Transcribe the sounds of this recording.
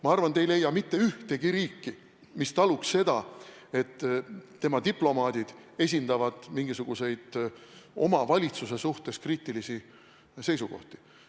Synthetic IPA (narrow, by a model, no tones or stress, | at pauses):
mɑɑrvɑnd̪ejle̞jːɑmit̪ːe̞yht̪e̞ɡiɾiːkːi | mist̪ɑluksse̞d̪̥ɑ | e̞t̪ː | e̞mɑt̪iplo̞mɑːd̪̥id̪̥e̞s̬ʲind̪ɑvɑd̪̥miŋɡ̥isuɡ̥use̞jd̪̥ | o̞̰mɑvɑlʲit̪suse̞suht̪e̞skriːt̪ːˑilisi | se̞jsuɡo̞̰ht̪i̥